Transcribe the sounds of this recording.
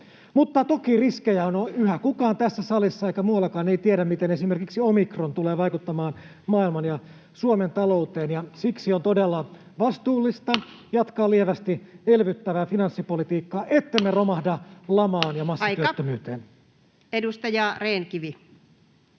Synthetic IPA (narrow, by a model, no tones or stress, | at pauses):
mut̪ːɑt̪okiriskejæonoyhækukɑːnt̪æsːæsɑlisːɑeikæmuːɑlːɑkɑːneit̪ieɾæmmit̪enesimerkiksiomikront̪uleːʋɑjkut̪ːɑmɑːn | mɑːilmɑnjɑ | suoment̪ɑlo̞ut̪eːnjɑsiksiont̪odelːɑ | ʋɑst̪uːlːist̪ɑjɑt̪kɑːlieʋæst̪ielʋyt̪ːæʋæːfinɑnsːipolit̪iːkːɑːʔet̪ːemmeromɑhdɑlɑmɑːnjɑmɑsːɑyøt̪ːømyːt̪eːn | edust̪ɑjɑreːnkiʋi